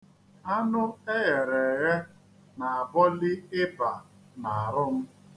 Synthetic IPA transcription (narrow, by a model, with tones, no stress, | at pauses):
a˦nʊ˦e˦ɣe˨ɾe˨ɣe˦ | na˨a˨bɔ˦li˦ɪ˦ba˨ | na˨a˨ɾʊ˦m̩˦